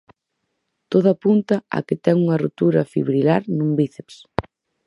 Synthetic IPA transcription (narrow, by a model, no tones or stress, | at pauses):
t̪oðapunt̪ɐa̰kɪt̪ɛŋuŋɐrot̪uɾɐfḭβɾilaɾnũmbiθeps